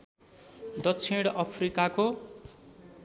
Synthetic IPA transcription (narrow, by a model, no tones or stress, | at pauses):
d̪ʌkt͡sʰiɽʌpʰrikako